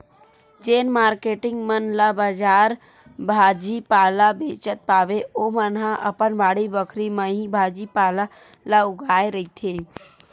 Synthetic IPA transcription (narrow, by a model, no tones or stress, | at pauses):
d͡ʒeːnmaːɾkeːʈɪŋɡmənlabad͡ʒaːɾ | bʱaːd͡ʒipaːlabeːt͡ʃət̪̚paːʋeomənɦãʔəpənbʱaːɽibəkʰɾimə̃ɦibʱaːd͡ʒipaːla | laʊɡaːeɾəɦit̪ʰe